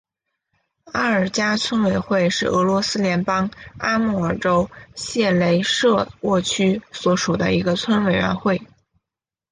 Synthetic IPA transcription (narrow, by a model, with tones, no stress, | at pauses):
a˥ə˞˨˩t͡ɕja˥t͡sʰwə˥nwe˨˩ɪxwe˥˧ɪʂɻ̩˥˩ɤ˧˥lwɔ˧˥sɹ̩˥ljɛ˧˥npɑ˥ŋa˥mu˥˩ə˞˨˩ʈ͡ʂo˥ʊɕjɛ˥˩le˧˥ɪʂɤ˥˧wɔ˥˩t͡ɕʰy˥swɔ˧˥ʂu˨˩d̪ə̰˦i˧˥ɡə˧t͡sʰwə˥nwe˨˩ɪɥɛ̰˧˥nxwe˥˩ɪ